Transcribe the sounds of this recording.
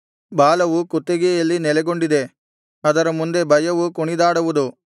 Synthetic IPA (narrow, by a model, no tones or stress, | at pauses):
baːlɐʋukut̪ːeɡejɐlːinɛlɛɡo̞ɳɖid̪e̞ | ɐd̪ɐɾɐmund̪e̞bʱɐjɐʋukuɳid̪aːɽɐʋud̪u